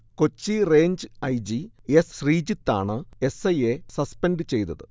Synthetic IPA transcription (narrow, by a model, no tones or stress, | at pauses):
ko̞t͡ɕːire̞ːɲd͡ʑɨɐjd͡ʑiesriːd͡ʑit̪ːa̰ːɳɨe̞sɐjesɐspenɖɨt͡ɕe̞jt̪ɐðɨ